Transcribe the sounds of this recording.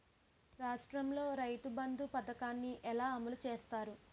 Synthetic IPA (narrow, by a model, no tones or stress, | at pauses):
ɾaːʂʈɾɐmlo̞ːɾɐjʈubɐnd̪upɐd̪ɐkaːnːiʔɛlaːɐmɐlut͡ʃeːst̪aːɾu